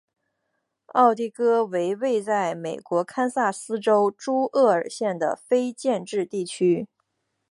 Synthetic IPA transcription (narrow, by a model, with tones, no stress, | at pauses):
ɑ˥˧ʊt̪i˥˩kɤ˥we˧˥ɪwe˥˧ɪt͡sa˥˩ɪme˨˩ɪkwɔ˧˥kʰa˥nsa˥˩sɹ̩˥ʈ͡ʂo˥ʊʈ͡ʂu˥ʔɤ˥˩ə˞˨˩ɕjɛ˥˩nd̪ə̰˩fe˥ɪt͡ɕjɛ˥˧nʈ͡ʂɻ̩˥˧t̪i˥˩t͡ɕʰy˥